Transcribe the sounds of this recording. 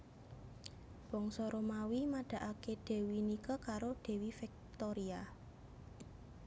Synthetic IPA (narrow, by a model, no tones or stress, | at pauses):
b̥ɔ̤ŋsɔɾomawimaɖ̥a̤ʔakeɖ̥e̤winikɔkaɾoɖ̥e̤wifɛk̚t̪oɾia